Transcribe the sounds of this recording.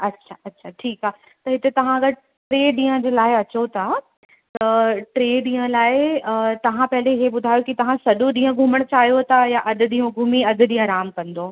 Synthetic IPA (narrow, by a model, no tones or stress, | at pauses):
ɐtːɕʰaɐtːɕʰaʈʰiːkaː | t̪ɐɦɪt̪et̪ɐʋ̤ãɐɡəɾ | ʈɾeːɗĩːə̃d͡ʑeːlaːɪɐt͡ɕot̪ʰa | t̪ɐʈɾeːɗĩːə̃laːɪt̪ɐʋ̤ãpɐɦɪleɪɦeɓʊd̪ʱaːjokit̪ɐʋ̤ãsɐɗoɗĩːə̃ɡʱuːməɽ̃t͡ɕaːɦijot̪ʰajaʔɐd̪ʊ̆ɗĩːũɡʱuːmiɐd̪ʱʊ̆ɗĩːə̃ɾaːmkɐ̃n̆d̪oː